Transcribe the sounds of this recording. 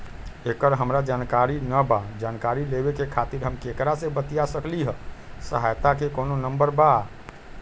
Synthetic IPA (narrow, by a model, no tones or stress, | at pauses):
ekəɾɦəmɾad͡ʒankaɾinəbad͡ʒankaɾilebekekʰat̪iɾɦəmkekɾasebət̪ijasəkliɦəsəɦajt̪akekononəmbəɾba